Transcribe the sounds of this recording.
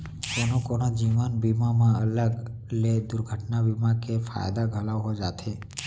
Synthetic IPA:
konokonad͡ʒiʋənbimamãələɡ | led̪ʊɾɡʱəʈnabimakefʰa̰jd̪aɡʱəlaʋɦod͡ʒat̪ʰe

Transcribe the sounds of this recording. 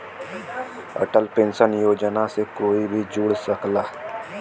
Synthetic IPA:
ə̰ʈəlpẽnsənjoːd͡ʒnasekoːibʱid͡ʒuːɽsəklaː

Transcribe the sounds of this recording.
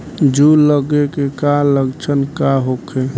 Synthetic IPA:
d͡ʒuləɡekekaləɡt͡ʃʰənkaɦokʰe

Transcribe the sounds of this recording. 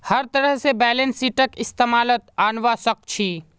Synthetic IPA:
hɐɾt̪ɐɾəɦsebɛːlensiːʈəkɪst̪eːmaːlət̪̚aːnʋasək̚t͡ʃʰiː

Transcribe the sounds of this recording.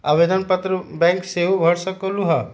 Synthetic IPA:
aʋed̪ənpət̪ɾəbɛ̃ŋkseɦũbʱɐɽsəkoluɦɐ

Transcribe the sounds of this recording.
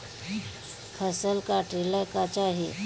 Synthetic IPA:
kʰəsəlkaʈɾiləkat͡ʃaːɦḭ

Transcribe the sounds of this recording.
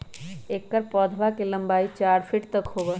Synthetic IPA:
eːkːəɾpɔːd̪ʱbakelɐ̃mbaːit͡ʃaːɾpʰɪʈt̪əkɦoːɡə

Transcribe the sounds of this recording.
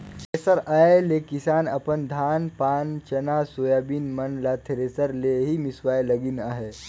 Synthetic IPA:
t̪ʰesəɾaelekisaːnə̰pənd̪ʱanpaːnt͡ʃənasojabiːnmənlat̪ʰeɾesəɾleɦiːmisʋaːjləɡiːnaɦe

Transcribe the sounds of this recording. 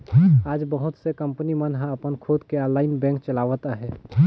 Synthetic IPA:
ad͡ʒbəɦut̪sekəmpənimənɦãəpənkʰod̪kealaɪnbɛ̃ŋk̚t͡ʃəlaʋət̪aɦɛ

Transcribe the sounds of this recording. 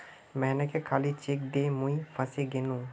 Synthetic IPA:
mɛɦnekekʰaːlit͡ʃek̚d̪emũifʰɐseɡenũ

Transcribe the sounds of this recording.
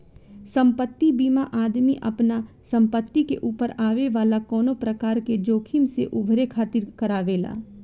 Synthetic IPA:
sɐ̃mpət̪ːibiːmaʔaːd̪miʔɐpna | sɐ̃mpət̪ːikeʔuːpəɾaːʋeʋaːlakɔːnopɾɐkaːɾked͡ʒoːkʰimseʔʊbʱɾekʰaːt̪ɪɾkɐɾaːʋeːla̰ː

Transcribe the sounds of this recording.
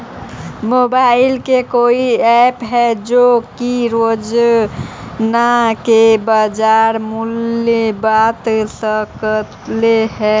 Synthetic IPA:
mobaɪlkekoiɛpɦɛd͡ʒokiɾod͡ʒ | nakebad͡ʒaɾmulebat̪səkət̪leɦɛ

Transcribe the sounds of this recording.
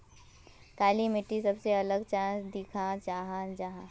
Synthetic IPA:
kaːlimɪʈːisɐbseɐləɡt͡ʃãːsd̪ikʰãt͡ʃaːɦãd͡ʒaɦã

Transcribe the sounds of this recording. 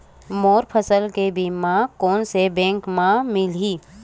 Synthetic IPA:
moːɾpʰəsəlkebʱimãkoːnsebɛ̃ːŋkmãmɪliː

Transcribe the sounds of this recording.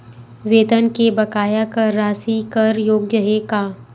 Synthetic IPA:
ʋeːd̪ənkebɐkaːjakəɾːaːsikəɾjoːɡjəɦekaː

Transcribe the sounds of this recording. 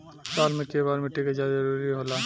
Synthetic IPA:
saːlmẽʈebaːɾmeʈːikazadɐɾuɾiɦoːlaː

